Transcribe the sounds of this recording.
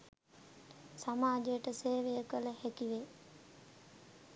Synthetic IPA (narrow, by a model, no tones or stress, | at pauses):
samaːd͡ʒejəʈəseːʋejəkələhɛkiʋe